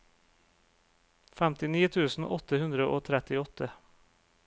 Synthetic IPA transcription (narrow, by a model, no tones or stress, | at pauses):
fɛmt̪ɪniːt̪ʰʉːsn̩ɔt̪ːəhʉnd̪ɾəʔo̰ːt̪ʰɾɛt̪ɪɔt̪ʰːə